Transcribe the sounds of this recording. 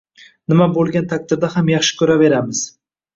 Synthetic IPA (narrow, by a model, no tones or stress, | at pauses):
nɪmabolˠɡʲant̪ʰak̚ʲt̪ʰɪɾd̪ahamjɑχʃɪ̥kʲʰɵɾave̞ɾamɪz̥